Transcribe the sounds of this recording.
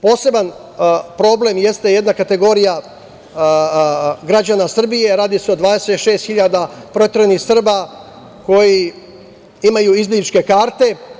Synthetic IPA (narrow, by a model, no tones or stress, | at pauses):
po̞ːse̞ban | pɾo̞ble̞mje̞st̪eje̞d̪nakat̪e̞ɡo̞ːɾija | ɡɾad͡ʒanasr̩bije̞ɾaːd̪iseo̞d̪ʋaːd̪e̞set̪ʃe̞ːst̪xiʎaːd̪apɾoet̪ɾenixsr̩ba | ko̞ji | imajuizlit͡ʃke̞kaːɾt̪e̞